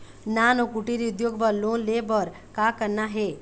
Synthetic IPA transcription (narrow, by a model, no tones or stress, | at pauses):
naːnokuʈiɾiʊd̪joːɡbəɾlonlebəɾ | kakəɾnaɦe